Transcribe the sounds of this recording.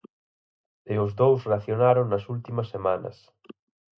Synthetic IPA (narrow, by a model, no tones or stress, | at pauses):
eʊzðowsreaθjonaɾoŋnɐsult̪imɐsːemanɐ̰s